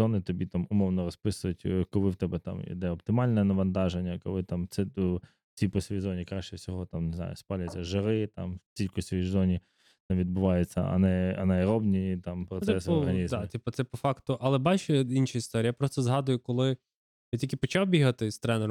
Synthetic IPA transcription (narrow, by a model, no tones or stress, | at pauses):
zɔnɪt̪ɔbʲit̪amʊmɔwnɔɾɔspɪsʊjʊtʲkɔlˠɪwt̪ɛbɛt̪a̰mḭd̪ɛɔp̚t̪ɪmɑlʲnɛnɐʋɐnt̪ɑʒenʲːɐkɔ̰lˠɪt̪amt̪sɛ | t͡sʲijpɔsʲijzɔnʲikɾaʃt͡ʃɛwsʲɔɦɔt̪amnɪzna̰jʊspɑlʲɐt͡sʲːɐʒɪɾɪt̪a̰mtʲilʲkʊsʲʋʲijjzɔnʲi | nɛʋʲid̪̚bʊʋɑjɛt͡sʲːɐ̰ɐ̰nɛɐnɛjɾɔbnʲit̪ɑmpɾɔt̪sɛsɔɦɐnʲizd̪atʲippɔt̪sɛpɔfɑkt̪ʊʔɐlˠɛbɑt͡ʃɛinʃɐist̪ɔɾʲːjapɾɔst̪ɔzɦɑd̪ʊjʊkɔlˠɪ | jtʲilʲkʲɪpɔt͡ʃɑwbʲiɦɐt̪ɪst̪ɾɛnɛɾ